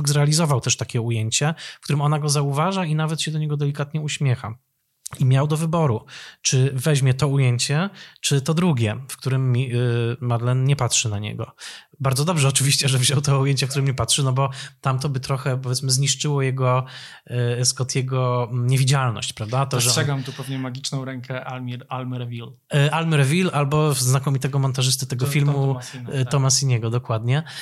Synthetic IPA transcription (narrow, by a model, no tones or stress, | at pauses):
ɡzɾɛalʲizɔvawt̪ɛʂt̪akʲɛujeɲt͡ɕɛfkt̪uɾɘmɔnaɡɔzauvaʐainavɛt̪ɕɛd̪ɔɲɛɡɔd̪ɛlʲikat̪ɲɛuɕmʲjɛxa̰ | imʲjawd̪ɔvɘbɔɾut͡ʂɘvɛʑmʲjɛt̪ɔujeɲt͡ɕɛt͡ʂɘt̪ɔd̪ɾuɡʲɛfkt̪uɾɘmːʲimad̪lɛnɲɛpatʂɘnaɲɛ̰ɡɔ̰ | baɾdzɔd̪ɔbʐɛɔt͡ʂɘvʲiɕt͡ɕɛʐɛvʑɔwt̪ɔujeɲt͡ɕɛfkt̪uɾɘmmɛpatʂɘnɔbɔt̪amt̪̬ɔbɘt̪ɾɔxɛpɔvʲjɛt̪smɘzɲiʂt͡ʂɘwɔjɛɡɔ | skɔt̪ʲjɛɡɔɲɛvʲid͡ʑalnɔ̰ɕt͡ɕpɾavd̪at̪ɔʐɛʂɛɡamt̪upɛvɲɛmaɡʲit͡ʂnɔ̃w̃ɾɛŋkɛʔalmʲiɾalmɾɛvʲil | ʔalmɾɛvʲilalbɔznakɔmʲit̪ɛɡɔmɔnt̪aʐɘst̪ɘt̪ɛɡɔfʲilmut̪ɔmasiɲɛɡɔd̪ɔkwad̪ɲɛ